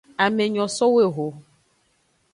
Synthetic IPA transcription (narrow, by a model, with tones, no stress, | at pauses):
a˨me˨ɲɔ̃˨sɔ˦we˦˨ɦo˨